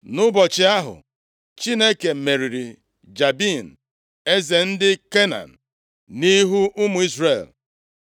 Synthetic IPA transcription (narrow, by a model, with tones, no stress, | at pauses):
nʊ˦bɔ˨t͡ʃɪ˨a˦ɦʊ̰˨ | t͡ʃi˦ne˦ke˨me˨ɾi˨ɾi˨ | d͡ʒa˨bi˦˨n̩˨ | e˦ze˨n̩˦dɪ˦ke˦na̰˨n̩˨ | ni˦ɦu˦ʔʊ˦mʊ˨˦i˦zre˦˨l